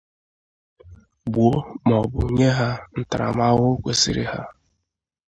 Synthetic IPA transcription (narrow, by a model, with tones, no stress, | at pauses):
bu˨o˦mɔ˨bʊ˨ɲe˦ɦa˦n̩˦ta˨ɾa̰˨m˦a˦ɣʊ˦kʷe˦si˨ɾɪ̰˦ha˦